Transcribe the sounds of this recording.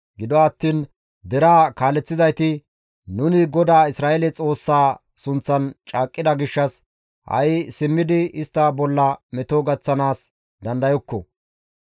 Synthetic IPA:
ɡɪd̪ɔɐt̪ːiːn | d̪ɛɾaːkaːlɛt͡sːɪzɐjt̪ɪ | nʊnɪɡɔd̪aːɪsɾaːʔɛlɛt͡sʼo̞ːsːaː | sʊnt͡sːɐnt͡ʃʼaːkʼːɪd̪ɐɡɪʃːɐs | hɐ̰jsɪmːɪd̪ɪɪst̪ːɐbɔlːɐmɛt̪oɡɐt͡sːɐnaːs | d̪ɐnd̪ɐjɔkːɔ

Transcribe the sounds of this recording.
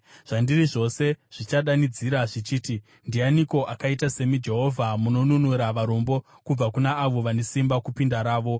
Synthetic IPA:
ʐ̥andiriʐo̞se̞ʐ̥it͡ʃaɗanid͡ziɾaʐit͡ʃiːti | ndianiko̞ʔakaitase̞mid͡ʒe̞ɦo̞vʱamuno̞nunuɾaʋaɾo̞mbo̞ | kub͡vakunaːʋo̞ʋane̞simbakupindaɾaːʋo̞

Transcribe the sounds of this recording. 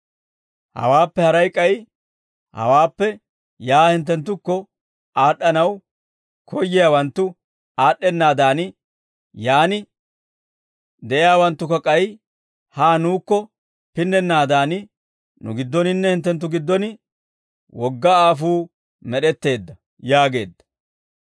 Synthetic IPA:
hɐ̰waːpːɛhɐɾɐjkʼːɐj | hɐ̰waːpːɛ | jaːhɪnt̪̬ːɛnt̪ːʊkːɔ | aːɗːɐnɐw | kʰɔjːɪjawɐnt̪ːʊ | aːɗːɛnːaːd̪aːnɪ | jaːnɪ | d̪ɛʔɪjaːwɐnt̪ːʊkɔkʼɐj | haːnuːkːɔ | pɪnːɛnːaːd̪aːnɪ | nʊ̰ɡɪd̪ːɔnɪnːɛhɪnt̪ːɛnt̪̬ːʊɡɪd̪ːɔnɪ | wɔɡːɐaːfuː | mɛɗɛt̪ːe̞ːd̪ːɐ | jaːɡe̞ːd̪ːɐ̥

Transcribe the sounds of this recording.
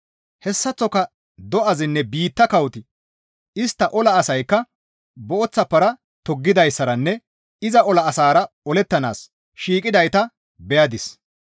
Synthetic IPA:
hɛsːɐt͡sːɔkɐ | d̪ɔʔɐzɪnːɛbiːt̪ːɐkɐwt̪ɪ | ɪst̪ːɐʔɔlɐːsɐjkːɐ | bɔʔɔt͡sːɐpːɐɾɐ | t̪ɔɡːɪd̪ɐjsːɐɾɐnːɛ | ɪzɐʔɔlɐːsaːɾɐ | ɔlɛt̪ːɐna̰ːs | ʃiːkʼɪd̪ɐjt̪ɐ | bɛjɐd̪ɪs

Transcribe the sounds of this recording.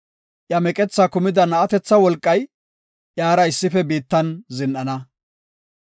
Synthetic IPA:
ʔjɐmɛkʼɛt͡sːakʊmɪd̪ɐnɐːt̪ɛt͡sːɐwɔlkʼːɐj | ʔjaːɾɐɪsːɪfɛbiːt̪ːɐnzɪnʔɐnɐ

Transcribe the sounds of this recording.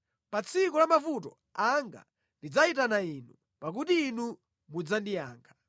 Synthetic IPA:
pat͡sʰikɔlamavutɔ̰ | aŋɡa̰ | ndid͡zaitanainu | pak̬utiːnu | mud͡zandija̰ːŋɡa

